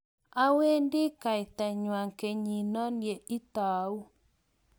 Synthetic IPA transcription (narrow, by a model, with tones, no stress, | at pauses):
a˦we˦ndɪ˦ka˨ɪ˨t̪ɛ˨ɲwa˨ŋke˨ɲi˨nɔ˦nje˨ɪ˦t̪a˨˦u˦